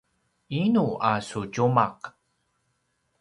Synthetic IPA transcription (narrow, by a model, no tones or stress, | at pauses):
inuasuɟumaq